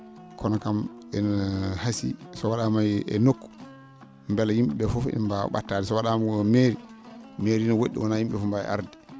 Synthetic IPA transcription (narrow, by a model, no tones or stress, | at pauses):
kʰɔnɔkamɛnhasḭsɔwaɗamajɛ̰nokːu̥ | mbɛlajimɓɛɓɛfɔfimbaɓa̰tːadɛsɔwaɗammeɾimeɾinɔwoɗːḭwɔnajimɓɛfɔmbaɛ̰ʔa̰ɾdi